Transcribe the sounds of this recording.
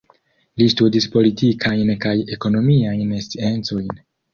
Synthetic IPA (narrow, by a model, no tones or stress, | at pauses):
listudispo̞litikʰajnkaje̞ko̞no̞miajnest͡sie̞nt͡so̞jn